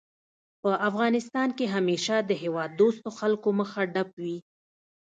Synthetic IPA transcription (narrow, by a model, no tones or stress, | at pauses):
pəʔafɣɑnɪst̪ɑnkeɦameʃad̪əɦewɑd̪ːost̪oxalkoməxaɖapwi